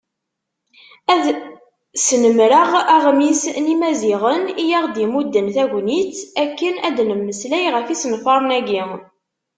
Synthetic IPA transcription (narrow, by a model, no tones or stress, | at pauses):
æð | snəmɾəʁæʁmisnimæziʁənijaʁd̪imud̪ːənθæʝʷnit͡sːækːənæd̪nəmːəslæjʁəfisnfɑɾˤnæɡi